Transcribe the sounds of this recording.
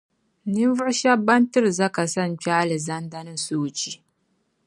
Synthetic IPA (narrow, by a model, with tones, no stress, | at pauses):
nɪ˦mvʊ˦ɽʃa˦bːɐ˦ntɪ˦ɾza˦ka˨sɐ˦˨nt͡ʃʲaː˦lɪ˨zɐ˦ndɐ˦nɪ˦soː˦t͡ʃi˦